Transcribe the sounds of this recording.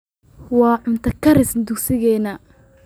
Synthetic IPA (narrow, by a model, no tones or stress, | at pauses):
wɑːʕʊnt̪ʰɐkʰɐɾɪsd̪ʊksɪɣɛːnɐ